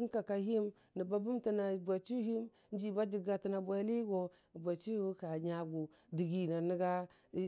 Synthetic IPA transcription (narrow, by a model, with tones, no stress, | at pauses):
ka˨ka˨ɦi˦m | ni˨ba˦bu˦mti˨na˨bʷa˨t͡ʃu˦hi˦m | n˦d͡ʒi˨ba˦d͡ʒi˨ɡa˨ti˨na˨bʷa˨˦li˦ɡo˨ | bʷa˨t͡ʃi˦hu˦ka˨ɲa˨ɡu˨ | di˨ɡi˨na˨ni˦ɡa˦